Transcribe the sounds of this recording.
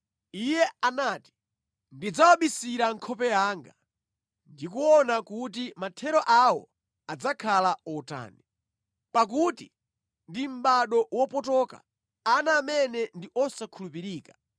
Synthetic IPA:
ijɛanaːti̥ | ndid͡zawaɓisiɾaŋkʰɔpɛjaːŋɡa | ndik̬uɔnakutimatʰɛɾɔʔawɔ̰ | ad͡zakʰalaɔta̰ːni | pak̬uti | ndim̩ɓaɗɔwɔpɔtɔka̰ | anaːmɛnɛndiʔɔsakʰulupiɾiːkḁ

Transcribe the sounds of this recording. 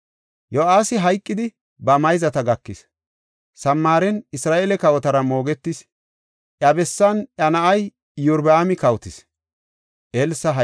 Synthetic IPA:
joʔaːsɪɦɐjkʼːɪd̪ɪ | bɐmɐjzɐt̪ɐɡɐkːɪs | sɐmːaːɾɛnɪsɾaːʔelɛkɐwɔt̪ɐɾɐmo̞ːɡɛt̪ːɪs | ʔjɐbɛsːɐnɐnɐʔɐj | jʊɾbaːmɪkɐwt̪ɪs | ʔelsɐɦ

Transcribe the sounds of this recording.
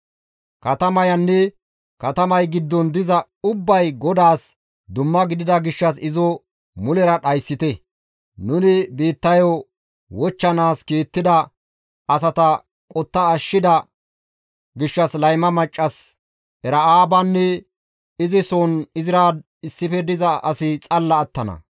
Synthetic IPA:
kɐt̪ɐmɐjɐnːɛ | kɐt̪ɐmɐjɡɪd̪ːɔnd̪ɪzɐ | ʊbːɐjɡɔd̪aːs | d̪ʊmːɐɡɪd̪ɪd̪ɐɡɪʃːɐsɪzɔ | mʊlɛɾɐɗɐjsːɪt̪ɛ | nʊnɪbeːt̪ːɐjo | wɔt͡ʃːɐnaːskeːt̪ːɪd̪ɐ | ɐsɐt̪ɐ | kʼɔt̪ːɐːʃːɪd̪ɐ | ɡɪʃːɐslɐjmɐmɐt͡ʃʼːɐs | ɛɾɐaːbɐnːɛ | ɪzɪsoːnɪzɪɾaːd̪ | ɪsːɪfɛd̪ɪzɐɐsɪt͡sʼɐlːɐːt̪ːɐnɐ̰

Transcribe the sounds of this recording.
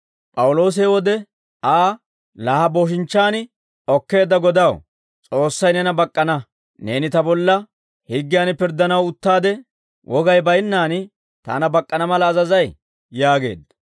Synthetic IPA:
pʼɐwʊlo̞ːs̬ewɔd̪ɛ | aː | laːhɐbo̞ːʃ̬ɪnt͡ʃːaːnɪ | ɔkːe̞ːd̪ːɐɡɔd̪ɐw | t͡sʼo̞ːsːɐjnɛnɐbɐkʼːɐnɐ | ne̞ːnɪt̪ɐbɔlːɐ | hɪɡːɪjanpɪɾd̪ɐnɐwʊt̪ːaːd̪ɛ | wʔɔɡɐjbɐjɪnːaːn | t̪a̰ːnɐbɐkʼːɐnɐmɐlɐːzɐzɐj | jaːɡe̞̰ːd̪ɐ

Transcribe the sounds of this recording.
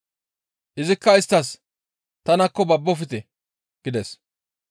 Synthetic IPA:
ʔɪzɪkːɐɪst̪ːɐs | t̪ɐnɐkːɔbɐbːɔfɪt̪ɛ | ɡ̥ɪd̪ɛs

